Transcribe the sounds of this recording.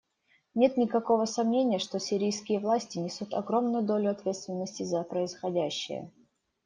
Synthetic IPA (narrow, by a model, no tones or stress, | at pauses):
nʲe̞t̪nʲɪkɐko̞vəsɐmnʲenʲɪjəʂt̪o̞sʲɪɾʲijskʲɪjəvlˠasʲtʲɪnʲɪsut̪ɐɡɾo̞mnʊjʊd̪o̞lʲʊɐt̪vʲe̞t̪st̪vʲɪnːəsʲtʲɪzəpɾəɪsxɐdʲæɕːɪ̰jə̰